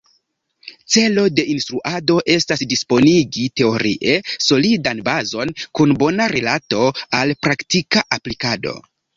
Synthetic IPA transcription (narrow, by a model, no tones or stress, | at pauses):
t͡se̞lo̞de̞ʔinstɾuʔado̞ʔe̞stasdispo̞niɡite̞o̞ɾḭʔe̞so̞lidanbazo̞nkunbo̞naɾelato̞alpɾaktikaʔaplikado̞̰